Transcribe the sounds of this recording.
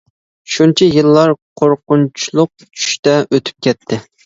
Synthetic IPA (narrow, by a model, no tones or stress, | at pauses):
ʃunt͡ʃʰijɨlˠːɑɾqʰoɾqʊnt͡ʃʰulˠʊq̚t͡ʃʰy̥ʃt̪ɛʔøt̪ʰy̥p̚kʲɛt̪ʰːɪ